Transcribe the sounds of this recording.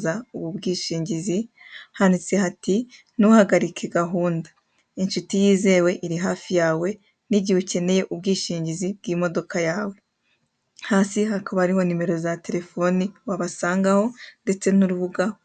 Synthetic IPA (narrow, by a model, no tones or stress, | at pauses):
zauβubɡiːʃiːɲɟizihanit͡se̞hati | nuhaɡaɾikʰeɡaɦuːndḁ | inʃutijiːze̞we̞ʔiɾiɦaːfijaːwe̞ | niɟiβuce̞ne̞je̞ʔubɡiːʃiːɲɟizibɡiːmo̞do̞kajaːwe̞ | haːsihakaβaɾiho̞nime̞ɾo̞zate̞ɾe̞fo̞niwaβasaːŋɡaho̞nde̞t͡se̞nuɾuβuɡaho